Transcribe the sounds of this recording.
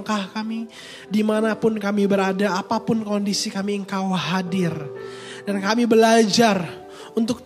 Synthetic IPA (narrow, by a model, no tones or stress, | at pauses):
ŋkahkami | dimanapʊnkamibəɾadaːpapʊnkondisikamiəŋkawɦadɪr | dankamibəlad͡ʒar | unt̪̬ʊk̚